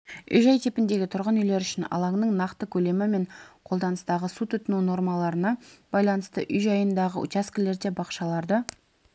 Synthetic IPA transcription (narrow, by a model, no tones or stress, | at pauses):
ʏ̰jʒɑjt̪ʰepɪnd̪e̞ɡʲɪt̪ʰʊɾʁənʏjle̞ɾʏʃɪnɑ̰lˠɑŋnəɴnɑqt̪əkʲʰɵle̞mɪme̞ɴqʰo̞lˠd̪ɑnəst̪ɑʁəsut̪ʰʏt̪ɪnuno̞ɾmɑlˠɑɾənɑb̥ɑjlˠɑnəst̪əʔʏjʒɑjənd̪ɑʁə̰ʔʊ̰t̪ʲaskʲɪle̞ɾd̪e̞bɑqʃɑlˠɑɾd̪ə